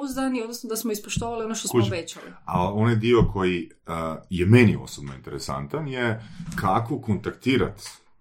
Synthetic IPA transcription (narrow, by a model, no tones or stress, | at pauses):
uzd̪aniod̪nosnod̪asmoispoʃt̪oʋalio̞noʃt̪ospʋet͡ɕalḭa̰onajd̪iokʰo̞ji | jemenio̰sobnoḭnt̪e̞ɾesa̰nt̪anjekʰakokont̪akt̪iːɾa̰t̪